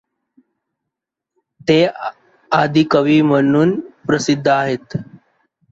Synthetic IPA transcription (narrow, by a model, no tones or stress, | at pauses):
t̪e | ad̪ʱikəʋiːm̤ənuːnpɾəsid̪ʱːəaɦet̪